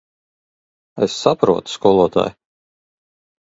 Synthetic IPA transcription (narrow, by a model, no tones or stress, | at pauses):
esːapɾuɔt̪u̥skɔlˠuɔt̪a̰ːj